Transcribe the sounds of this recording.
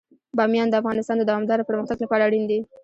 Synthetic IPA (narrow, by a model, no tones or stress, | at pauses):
bɑmjɑnd̪əafɣɑnɪst̪ɑnd̪əd̪awɑmd̪ɑɾopəɾməxt̪aɡlapɑɽaɽind̪i